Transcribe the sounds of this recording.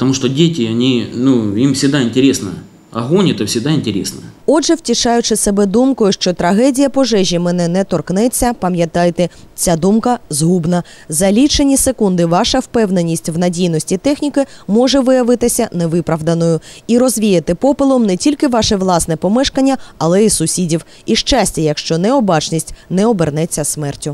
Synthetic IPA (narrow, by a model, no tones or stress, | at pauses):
pət̪ɐmuʂt̪ɔdʲetʲɪɐnʲinuimfsʲɪɡd̪aɪnʲtʲɪɾʲesnə̰ | ɐ̰ɦonʲɛt̪ɐfsʲɪɡd̪aɪnʲtʲɪɾʲḛsnə̰ɔʒɛwtʲiʃɑjʊt͡ʃɪsebɛd̪umkɔjʊʃt͡ʃɔt̪ɾɐɦɛdʲijɐpɔʒɛʒʲimɛnɛnɛt̪ɔrknɛt͡sʲːɐpɐmʲjɐt̪ɑjt̪ɛt͡sʲad̪umkɐzɦubnɐ | zɐlʲit͡ʃenʲisekund̪ɪʋɑʃɐwpɛwnenʲːisʲtʲwnɐdʲijnɔsʲtʲit̪ɛxnʲikɪmɔʒɛʋɪjɐʋɪt̪ɪsʲɐneʋɪpɾɐʋd̪ɐnɔjʊiɾɔzʲʋʲijɐt̪ɪpɔpɪlˠɔmnɛtʲilʲkɪʋɑʃɛʋlˠɑsnɛpɔmɛʃkɐnʲːɐɐlˠɛisʊsʲidʲiw | iʃt͡ʃɑsʲtʲɐjɐkʃt͡ʃɔnɛɔbɑt͡ʃnʲisʲtʲnɛɔbernɛt͡sʲːɐsmɛrtʲʊ